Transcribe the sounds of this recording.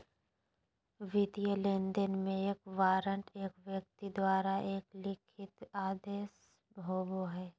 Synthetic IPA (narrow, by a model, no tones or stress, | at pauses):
ʋɪt̪ijəleːnd̪ənmẽeːkʋaːɾəɳʈeːkʋjək̚t̪id̪waːɾaʔeːklɪkʰɪt̪aːd̪eːs | bʱoːboɦɛː